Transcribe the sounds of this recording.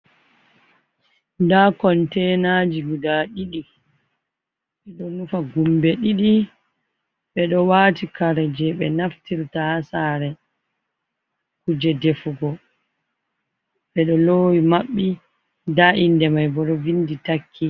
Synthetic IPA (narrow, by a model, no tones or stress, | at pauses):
ndakɔntɛnad͡ʒiɡudaɗiɗi | ɓɛɗɔnufaɡumbɛɗiɗi | ɓɛɗɔwaːtikaɾɛd͡ʒɛɓɛnaftiɾtahasaːɾɛ | kud͡ʒɛdefuɡɔ | ɓɛɗɔloːwimaɓːi | daʔindɛmajbɔɗɔvinditakʰːi